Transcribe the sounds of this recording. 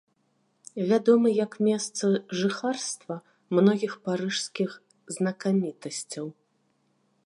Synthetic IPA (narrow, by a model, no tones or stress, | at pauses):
vʲad̪ɔmɨjɐkmʲɛst̪sɐʐɨxarst̪vɐ | mnɔɣʲixpaɾɨʂskʲix | znɐkamʲit̪ɐsʲt͡sʲɐw